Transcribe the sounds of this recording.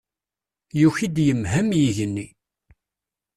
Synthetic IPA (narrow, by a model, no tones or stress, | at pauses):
juçid̪jəmɦæmjiʝənːi